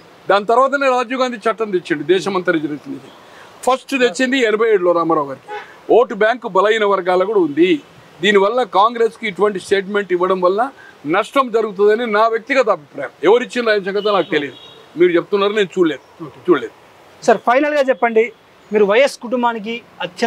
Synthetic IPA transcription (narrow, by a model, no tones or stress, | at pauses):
d̪aːnt̪̬ɐɾʋaːt̪̬ɐne̞ːɾaːd͡ʒuɡaːnd̪it͡ʃɐʈːɐnt̪et͡ʃːiɳɖid̪ɛːʃɐmɐnt̪ɐɾid͡ʒɐɾɐsind̪et͡ʃini | pʰɐsʈt̪et͡ʃːind̪iɛnɐbʱɐjeːɽuloːɾaːmɐɾaːɡɐɾiki̥ | oːʈbjaːŋkubɐlɐjinɐʋɐɾɡaːlɐkuːɽɐund̪i | d̪iːniʋɐlːɐkaːŋɡɾe̞ːskiːʈuʋɐɳʈisʈe̞ːʈ̬me̞ɳʈiʋːɐɽɐmʋɐlnɐ | nɐʂʈɐmd͡ʒɐɾuɡut̪̬und̪ɐninaːʋjɐk̚t̪iɡɐt̪ɐɐbʱipɾaːjɐmɛʋɐɾit͡ʃːinɐɾaːɐmʃ̬ɐŋɡɐt̪̬ɐnaːkut̪elid̪u | miːɾut͡ʃep̬̚t̪unːaːɾuneːnut͡ʃuːɽleːd̪ut͡ʃuːleːd̪u | sɐɾpʰɐjnɐlɡaːt͡ʃɛpːɐɳɖi | miːɾuʋɐjɐskuʈumbaːnik̬i | ɐt̪jɐ